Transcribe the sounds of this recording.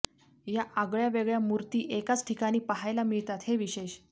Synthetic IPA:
jaʔaɡɭjaʋeɡɭjamuɾt̪iːʔekat͡sʈʰikaɽ̃iːpaɦajlamiɭt̪at̪heʋiɕeɕ

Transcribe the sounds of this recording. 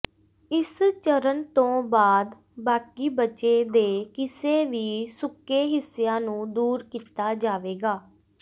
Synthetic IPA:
ɪst͡ʃəɾənt̪õːbaːd̪ | baːkiːbət͡ʃeːd̪eːkɪseːʋiːsʊkːeːɦɪsejãːnũːd̪uːɾkiːt̪aːd͡ʒaːʋeːɡaː

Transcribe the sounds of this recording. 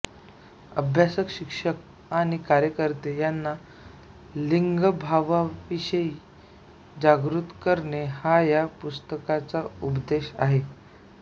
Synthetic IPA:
ə̰bʱjasəkɕikʂək | aɽ̃ikaɾjəkəɾt̪ejanːa | liŋɡəbʱaʋaʋiɕəiː | d͡ʑaɡɾut̪kəɾɳehajapust̪əkat͡saupd̪eɕa̰ɦe

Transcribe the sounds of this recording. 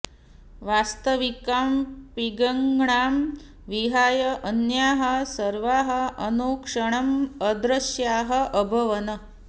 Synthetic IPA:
ʋast̪əʋikaːmpiɡɐŋɡɳaːm | ʋiɦaːjɐʔənjaːɦɐ̆sɐɾʋaːɦɐ̆ənoːkʂəɳ̃ɐməd̪ɾɐsjaːɦə̆ʔəbʱɐʋɐnə

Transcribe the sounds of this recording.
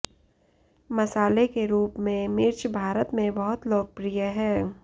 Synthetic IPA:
mɐsaːlekeɾuːpmẽmɪɾt͡ʃʰbʱaːɾət̪mẽbɐɦʊt̪loːɡ̚pɾijəɦɛ̃ː

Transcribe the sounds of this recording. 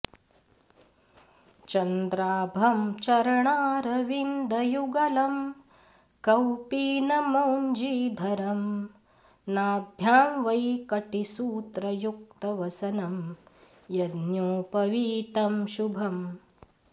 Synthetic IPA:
t͡ʃɐnd̪ɾaːbʱɐmt͡ʃɐɾɐɳaːɾɐʋind̪ʱɐjuɡɐlɐm | kɐwpiːnɐmɐwnd͡ʒiːd̪ʱɐɾɐm | naːbʱjaːmʋɐjkɐʈisuːt̪ɾɐjuk̚t̪ɐʋɐsɐnɐm | jɐd̪njoːpɐʋiːt̪ɐmʃubʱɐm

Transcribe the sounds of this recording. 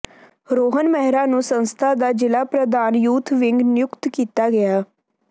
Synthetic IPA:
ɾoːɦənmɛɦɾaːnũːsənst̪ʰaːd̪aːd͡ʒɪlaːpɾəd̪aːnjuːt̪ʰʋɪŋɡnɪjʊkt̪kiːt̪aːɡɪjaː

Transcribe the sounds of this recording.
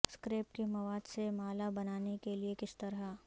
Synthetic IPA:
skɾeːp̚kimɐʋaːd̪semaːlabɐnaːnekeliekɪst̪ɐɾɦa

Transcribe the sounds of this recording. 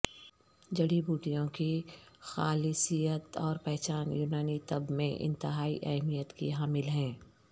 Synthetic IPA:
d͡ʒɐɽibuːʈijõkixaːlɪsijət̪ɔːɾpɛɦt͡ʃaːnjuːnaːnit̪ɐbmẽʔɪ̰̃nt̪ɪɦaːḭʔɐ̰ɦmijət̪kḭɦaːmɪlɦɛ̃ː

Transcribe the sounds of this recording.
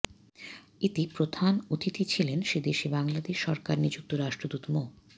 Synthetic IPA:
it̪ipɾod̪ʱanot̪it̪it͡ɕʰilenʃed̪eʃibaŋlad̪eʃːɔɾkaɾnid͡ʑuk̚t̪oɾaʃʈɾod̪ut̪mo

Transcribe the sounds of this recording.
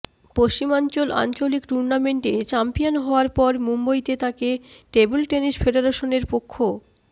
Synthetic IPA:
poʃt͡ɕimant͡ɕola̰nt͡ɕolikʈuɾnameɳʈet͡ɕampionɦɔoaɾpɔɾmumbojt̪et̪akeʈebulʈenisfʰeɖeɾaʃoneɾpokʰːo

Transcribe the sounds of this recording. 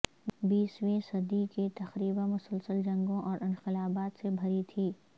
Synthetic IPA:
biːswẽsɐd̪iket̪ɐxɾiːbamʊsəlsəld͡ʒɐ̃ŋɡõʔɔːɾɪ̃nqɪlaːbaːt̪sebʱɐɾit̪ʰiː

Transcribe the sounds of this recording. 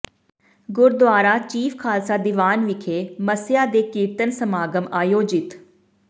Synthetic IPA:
ɡʊɾd̪ʊaːɾaːt͡ʃiːfʰkʰaːlsaːd̪ɪʋaːnʋɪkʰeːməsɪjaːd̪eːkiːɾt̪ənsəmaːɡəmaːjoːd͡ʒɪt̪

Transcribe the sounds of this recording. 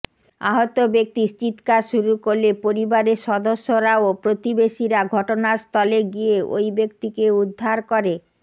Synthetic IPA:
aɦot̪obek̚t̪ist͡ɕit̪kaʃuɾukoɾlepoɾibaɾeɾʃɔd̪oʃːoɾaopɾot̪ibeʃiɾaɡʱɔʈonaɾst̪ʰɔleɡieʔo̰jbek̚t̪ikeud̪ʱːaɾkoɾe

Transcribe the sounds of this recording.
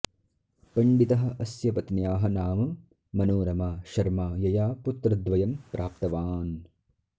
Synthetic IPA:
pɐɳɖit̪ɐɦɐ̆ʔɐsjɐpɐt̪njaːɦɐnaːmɐ | mɐnoːɾɐmaːʃɐɾmaːjɐjaːput̪ɾɐd̪ʋɐjɐmpɾʔaːp̚t̪ɐʋaːn

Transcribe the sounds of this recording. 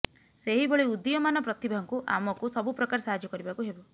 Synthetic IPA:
seɦiboɭiud̪ijɔmanɔpɾɔt̪ibaɦɔŋkuʔa̰mɔkusɔbupɾɔkaɾɔsaɦad͡ʒjɔkɔɾibakuɦebɔ

